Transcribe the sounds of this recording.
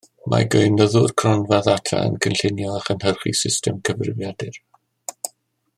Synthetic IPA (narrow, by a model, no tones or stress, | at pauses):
mʔa̰ɡəɨnəðʊrkʰrɔnvaðatʰra̰ə̰nkʰənɬɪnjɔaχənhərχḭsɪstʰɛmkʰəvrɪvjadɪr